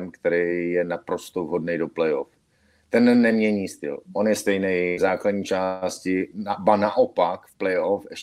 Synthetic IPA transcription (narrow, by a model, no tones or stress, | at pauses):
mkt̪ɛɾɪjɛnapɾo̞st̪ovɦo̞dnɛjdoplɛjof | t̪ɛnːɛmɲɛɲiːst̪ɪ̰lʔo̞njɛst̪ɛjnɛjzaːkladɲiːt͡ʃaːscɪbanaʔo̞pakfplɛjʔofɛʃ